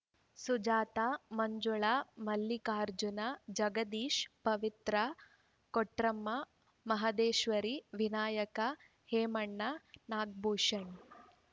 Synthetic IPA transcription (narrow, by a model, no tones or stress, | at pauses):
sud͡ʒaːt̪aːmɐɲd͡ʒuɭaːmɐlːikaːɾd͡ʒunɐd͡ʒɐɡɐd̪iːʃpɐʋit̪ɾɐ | koʈɾɐmːɐ | mɐɦɐd̪eːʃʋɐɾiʋinaːjɐkɐ | heːmɐɳːɐnaːɡ̚buːʂɐɳ